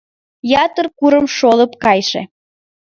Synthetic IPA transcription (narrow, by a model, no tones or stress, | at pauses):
jɑt̪ərkuɾəmʃoləpkɑjʃḛ